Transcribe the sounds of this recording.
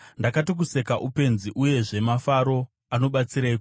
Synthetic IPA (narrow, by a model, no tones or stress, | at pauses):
ndakatik̬use̞kaʔupe̞nziʔuje̞ʐe̞mafaɾo̞ | ano̞ɓat͡siɾaiku